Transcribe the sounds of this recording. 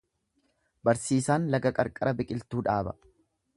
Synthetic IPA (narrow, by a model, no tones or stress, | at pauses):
bɐɾsiːsaːnlɐɡɐkʼɐɾkʼɐɾɐbɪkʼɪlt̪uːᶑaːbɐ